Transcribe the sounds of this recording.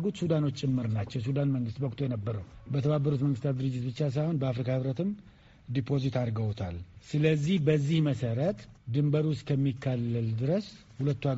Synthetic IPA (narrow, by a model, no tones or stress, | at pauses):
ɡut̪sud̪ano̞t͡ʃːt͡ʃʼːɪmːɨɾnat͡ʃːɛwsud̪anməŋɡɨst̪wɔkt̪ʰojɛnəbːəɾəwbət̪ʰəβabːəɾut̪məŋɡɨst̪ʰat̪d̪ɨɾɨd͡ʒːɪt̪̚bɨt͡ʃːas̬ajho̞nbəafɾikʰahɨβɾət̪ɨm | d̪ipʰo̞zit̪aɾɡəwt̪ʰalsɨləzːihbəzːihməsəɾət̪d̪ɨmbəɾuʊskʰəmːikʰːalːəld̪ɨɾəs | hulət̪ːua